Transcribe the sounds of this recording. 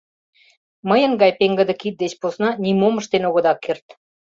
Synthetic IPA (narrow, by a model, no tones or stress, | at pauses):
məjə̆ŋɡɑjpeŋɡə̆d̪ə̆kit̪̚d̪et͡ɕposnɑnʲimoməʃt̪enoɣŏd̪ɑkːert̪